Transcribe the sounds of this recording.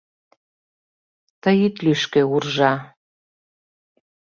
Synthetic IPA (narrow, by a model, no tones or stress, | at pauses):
t̪əjit̪lyʃkeurʒɑ